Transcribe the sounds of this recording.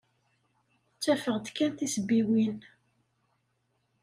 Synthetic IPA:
t͡sːæfəʁd̪kːænt̪isəbːiwin

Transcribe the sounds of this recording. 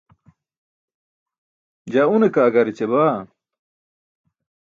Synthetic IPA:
d͡ʑaunekaːɡɐɾit͡ɕeβaː

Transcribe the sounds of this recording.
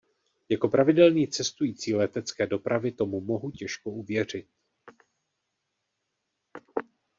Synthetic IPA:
jako̞pɾavɪdɛlɲiːt͡sɛst̪ujiːt͡siːlɛt̪ɛt͡skɛːdo̞pɾʔavɪt̪o̞mumo̞ɦucɛʃkouvjɛr̝ɪt̪̚

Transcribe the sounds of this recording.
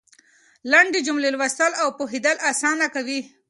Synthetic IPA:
laɳɖid͡ʒumlelwast̪əlawpoɦid̪əlasɑnakawi

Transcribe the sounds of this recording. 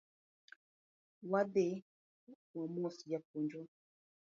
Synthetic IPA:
wade | wamɔsijak̚ond͡ʒo

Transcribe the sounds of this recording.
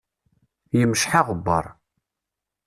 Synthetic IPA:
jəmʃħaʁəbːɑ̰ɾˤ

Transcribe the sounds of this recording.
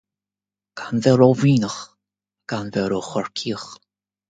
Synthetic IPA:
ɡ̥anvɛɾoviːnəx | ɡ̥anvɛɾoxɔɹkʰiːəx

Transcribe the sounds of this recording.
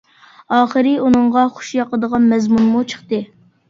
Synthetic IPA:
ɑːχəɾɨunɨŋʁɑχʊ̥ʃjɑqəd̪əʁɑnmɛzmunmut͡ʃʰə̥χt̪ɨ

